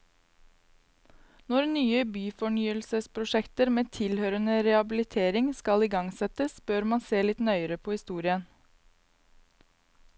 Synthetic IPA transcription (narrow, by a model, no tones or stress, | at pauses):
nɔɾnyːəbyːfɔɳyːəlsəspʰɾʊʃɛkt̪əɾmeːt̪ʰɪlhøːɾənəɾɛɑbɪlɪt̪ʰeːɾɪŋskɑliːɡɑŋsɛt̪əsb̥øɾmɑnseːlɪt̪nœʏəɾəpʰoːhɪst̪uːɾɪən